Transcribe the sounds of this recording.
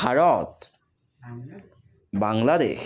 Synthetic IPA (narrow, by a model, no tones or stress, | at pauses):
aɾɔt̪ | baŋlad̪ḛʃ